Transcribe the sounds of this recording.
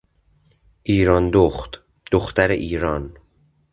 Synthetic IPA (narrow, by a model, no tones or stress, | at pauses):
ʔiːɾɒːnd̪oxt̪ | d̪̥oxt̪æɾeʔiːɾɒːn